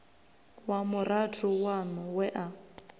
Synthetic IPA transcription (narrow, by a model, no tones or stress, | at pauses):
wamʊratʰʊwanʊwɛʔa